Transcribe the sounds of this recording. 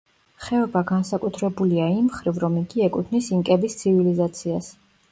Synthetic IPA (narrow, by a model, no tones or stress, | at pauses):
χɛɔbaɡansakʼut̪ʰɾɛbuliaimχɾivɾɔmiɡiɛkʼut̪ʰnisiŋkʼɛbist̪sʰivilizat̪sʰias